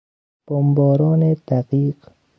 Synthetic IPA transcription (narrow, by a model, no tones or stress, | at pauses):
b̥ombɔːɾɔːned̪̥aqiːq